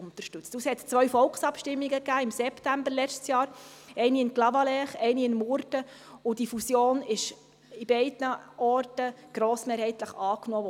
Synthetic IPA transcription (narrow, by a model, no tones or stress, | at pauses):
ʊnt̪əɾʃtʉt͡stushɛtt͡sʋœɥfɔlksɑpʃtɪmːiɡəkæːɪmsɛptæmbəɾlɛt͡ʃtsjɑːɾɛɪniɪnklɑvɑlɛχɛɪniɪnmʊɾdə | ʊdifusjoːnɪʃ | ib̥ɛɪdnəʔɔrtəɡ̥ɾoːsmeːɾhɛɪt̪ləχɑːknoː